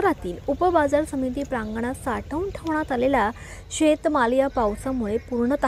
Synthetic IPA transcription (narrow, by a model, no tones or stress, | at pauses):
ɾat̪iːlupəbad͡zaɾsəmit̪iːpɾãŋɡɳ̃asaʈʰəunʈʰəʋɳ̃at̪alela | ɕet̪maljapawsamuɭepuɾɳət̪